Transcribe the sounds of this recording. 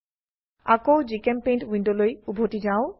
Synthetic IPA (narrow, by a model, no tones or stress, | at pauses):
a̰kowd͡ʑikempejnʈwiɳɖolojubʱoʈid͡ʑao